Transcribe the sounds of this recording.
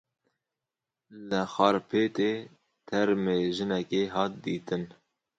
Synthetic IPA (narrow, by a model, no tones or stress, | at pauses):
ləxɑːɾpʰeːt̪eː | t̪ʰɛɾmeːʒɨnɛkeːɦɑːt̪̚d̪iːt̪ɨn